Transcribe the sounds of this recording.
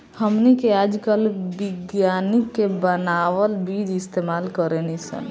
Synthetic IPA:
həmnikead͡ʒkəlbiɡjanikːebənawəlbid͡ʒist̪emalkəɾenisə̰n

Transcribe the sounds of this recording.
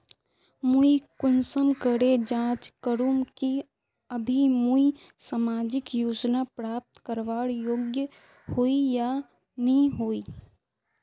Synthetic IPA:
muikʊnsəmkəɽed͡ʒãːt͡ʃkəɾuːmki | əbʱimui | samaːd͡ʒɪkjoːd͡ʒnapɾaːp̚t̪kəɾʋaːɽjoːɡjə | hoija | nəĩɦoiː

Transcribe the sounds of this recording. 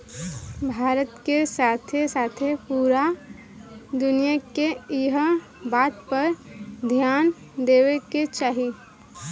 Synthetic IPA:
bʱaːɾət̪kesaːt̪ʰesaːt̪ʰepuɾa | d̪ʊnijakeɦ | baːt̪pəɾd̪ʱjaːn | d̪eːweket͡ʃaːɦi

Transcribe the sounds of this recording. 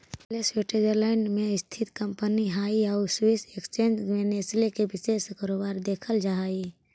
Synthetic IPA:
plesweʈed͡ʒəɾlaːɪnɖmẽɪst̪ʰɪt̪kə̃mpəniɦaːiaʊɾswɪsekst͡ʃẽːnd͡ʒɡʋeneslekebɪʃeːskʰəɾoːbaːɾd̪eːkʰəld͡ʒaai

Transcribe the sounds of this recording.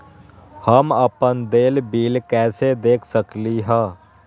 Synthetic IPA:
həməpənd̪eːlbiːlkɛːsed̪eːkʰsəkliɦɛ̃ː

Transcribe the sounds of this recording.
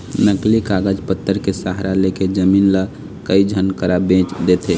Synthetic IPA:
nəklikaɡəd͡ʒpət̪ːəɾkesaɦɾaleked͡ʒəmiːnlə | kəid͡ʒʱənkəɾabẽt͡ʃd̪et̪ʰe

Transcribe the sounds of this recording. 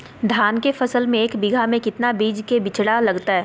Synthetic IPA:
d̪ʱaːnkefɐsəlmẽeːkbɪɡʱamẽkɪt̪nabiːd͡ʒkebɪt͡ʃɽalɐɡt̪aɦɛː

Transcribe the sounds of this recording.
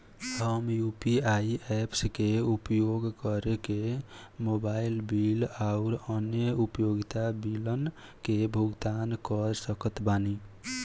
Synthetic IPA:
həmjupiaiepskeupjoɡkəɾeke | mobailbilaʊɾənjəupjoɡit̪abilən | kebʱuɡt̪ankʌɾsəkət̪bani

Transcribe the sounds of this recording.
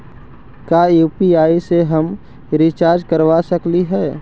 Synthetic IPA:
kaːjuːpiaːiseɦɐm | ɾɪt͡ʃaːɾd͡ʒkəɾʋasəkliɦɛː

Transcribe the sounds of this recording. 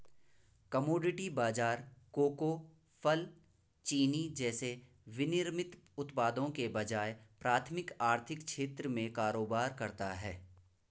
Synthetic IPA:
kɐmoːɖɪʈibaːd͡ʒaːɾkoːko | fʰəl | t͡ʃiːnid͡ʒɛːse | ʋɪnɪɾmɪt̪ʊt̪paːd̪õkebɐd͡ʒaːepɾaːt̪ʰmɪkaːɾt̪ʰɪkʃeːt̪ɾəmẽkaːɾoːbaːɾkɐɾt̪aɦɛː

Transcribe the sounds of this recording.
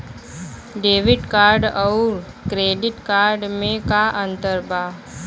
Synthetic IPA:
ɖeːʋɪʈkaːɾɖɔʊɾ | kɾeːɖɪʈkaːɾɖmẽkaʔə̃nt̪əɾbaː

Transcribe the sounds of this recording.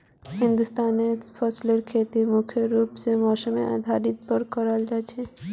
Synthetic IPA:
hɪnd̪ust̪aːnepʰɔsləɾkʰet̪imʊkʰjəɾuːpsemɔːsəmḛa̰d̪ʱaɾɪt̪pəɾkəɾald͡ʒat͡ʃʰe

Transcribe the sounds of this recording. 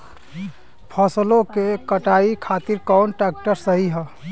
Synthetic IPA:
pʰəslõkekəʈaikʰat̪iɾkɔnʈɾɛk̚ʈəɾsəɦiɦə

